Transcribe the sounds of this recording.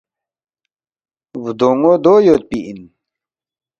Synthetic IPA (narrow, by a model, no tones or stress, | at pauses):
wud̪oŋod̪oːjot̪̚piin